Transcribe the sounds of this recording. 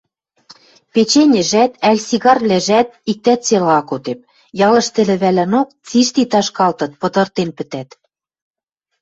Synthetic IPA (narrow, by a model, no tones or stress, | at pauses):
pet͡ɕenʲɘ̆ʒæt̪ælʲsiɣɑrβlʲæʒæt̪̚ik̚t̪æt̪selɑkot̪ep̚ | jɑlɤ̆ʃt̪ɘ̆lɘ̆βælæ̆nok̚t͡siʃt̪it̪ɑʃkɑlt̪ɤ̆t̪̚pɤ̆t̪ɤ̆rt̪enpɘ̆t̪æt̪